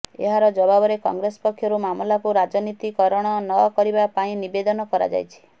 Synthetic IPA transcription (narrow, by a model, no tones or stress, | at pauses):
ḛɦaɾɔd͡ʒɔbabɔɾekɔ̰ŋɡɾesɔ̥pɔkʰːjɔɾumamlapuɾad͡ʒɔnit̪ikɔɾɔɽ̃ɔnɔkɔɾibapaĩnibed̪ɔnɔkɔɾa̰d͡ʒa̰jt͡ʃʰi̥